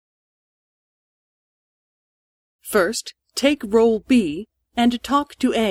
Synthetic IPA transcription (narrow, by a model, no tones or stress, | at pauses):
fɜ˞stʰː | eɪkɹoʊlˠbi | ɨ̃ntʰɔktʰɨe